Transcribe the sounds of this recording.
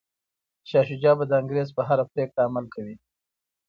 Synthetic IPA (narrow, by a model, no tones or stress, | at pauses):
ʃɑʃʊd͡ʒɑbad̪əɪŋɡɾezpəɦaɾapɾekɽaːmalkawi